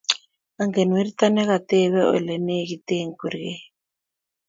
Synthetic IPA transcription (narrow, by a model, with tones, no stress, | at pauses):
a˨ŋɡe˨nwi˦ɾit̪a˦nɛ˦ka˨t̪ɛ˦βɛ˦ɔ̰˨lɛ˨ne˦ki˨te˦ŋku˨ɾkɛ˦